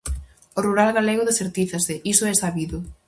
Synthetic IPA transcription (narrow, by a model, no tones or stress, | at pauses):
oruɾalɣaleɣoðeseɾt̪iθasɪʔisoɛsaβiðʊ